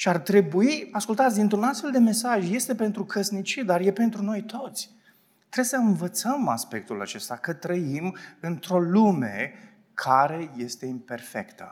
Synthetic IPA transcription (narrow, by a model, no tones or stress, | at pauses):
ʃiart̪ɾe̞buiaskult̪at̪sʲd̪int̪ɾunast̪fe̞ld̪e̞me̞saʒje̞st̪e̞pe̞nt̪ɾukʰəsnit͡ʃid̪arje̞pe̞nt̪ɾuno̞jt̪ʰo̞t̪sʲ | t̪ɾebsəɨnvət̪səma̰spe̞k̚t̪ula̰t͡ʃe̞st̪akət̪ɾəimɨnt̪ɾo̞lume̞ | kʰaɾe̞je̞st̪e̞impe̞rfe̞̰kt̪ə̰